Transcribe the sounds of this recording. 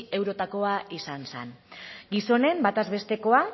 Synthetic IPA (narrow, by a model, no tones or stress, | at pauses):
e̞wɾo̞t̪ako̞aisansenɡiso̞ne̞mbat̪azβe̞st̪e̞ko̞a